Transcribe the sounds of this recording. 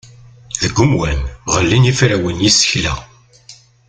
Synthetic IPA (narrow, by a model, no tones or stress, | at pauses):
ðəɡʷːʊmwænʁəlːinifɾæwənjisə̥çlæ̰